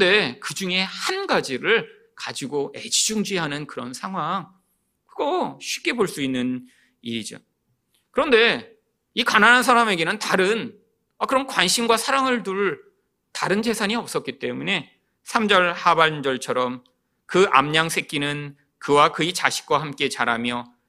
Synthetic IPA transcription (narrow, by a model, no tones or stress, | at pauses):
de̞kɯd͡ʑuŋe̞hanɡad͡ʑiɾɯɭ | kad͡ʑiɡoʔe̞d͡ʑid͡ʑuŋd͡ʑiɦanɯnkɯɾʌnsʰaŋɦwaŋ | kɯɡoɕʰɥip̚k͈e̞boɭs͈uinːɯn | iɾid͡ʑo̰ | kɯɾʌnde̞ | ikananansʰaɾame̞ɡe̞nɯntaɾɯn | akɯɾʌnkwanɕʰimɡwasʰaɾaŋɯɭtuɭ | taɾɯnd͡ʑe̞sʰaɲiʌp̚s͈ʌt̚k͈it͈e̞mune̞ | sʰamd͡ʑʌɭhaband͡ʑʌɭt͡ɕʰʌɾʌm | kɯʔa̰mɲaŋsʰe̞k͈inɯn | kɯwakɯit͡ɕaɕʰi̥k͈̚waɦamk͈e̞t͡ɕaɾamjʌ